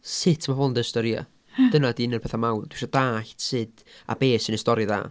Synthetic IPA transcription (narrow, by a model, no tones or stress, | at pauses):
sɪtʰmavɔndəstɔɾia̰ | d̥ənadinərpeθamawnd̥wiʃɔdaːɬtʰsɨd̥ | a̰beːsənəstɔɾɨða̰ː